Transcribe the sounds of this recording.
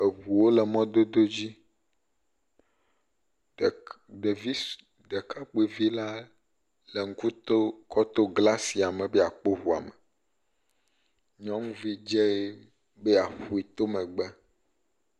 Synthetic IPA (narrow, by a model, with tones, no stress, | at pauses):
e˨ɦu˨wo˦le˨mɔ̃˦d̪o˦d̪o˦d͡ʑi˦˨ | ɖe˨vi˦ | d̪e˨ka˦k͡pe˨vi˦la˦ | le˨ŋ̩˦ku˦t̪o˦kʰɔ˦t̪o˦ɡla˦si˨a˨mɛ̃˨bɛ˦a˨k͡po˦ɦu˨a̰˨me˨ | ɲɔ̃˦ŋũ˦vi˦d͡ʒɛ˦e˦ | be˦a˨ɸu˨i˨t̪o˦mɛ̃˨ɡ͡bɛ˦